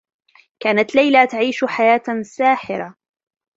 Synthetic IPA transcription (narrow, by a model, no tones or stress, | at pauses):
kaːnat̪lajlat̪aʕiːʃħajaːt̪saːħɪɾa